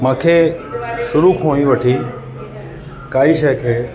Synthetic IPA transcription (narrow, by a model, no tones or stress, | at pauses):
mãːkʰeʃʊɾukʰõːĩʋəʈʰiː | kaːiʃekʰeː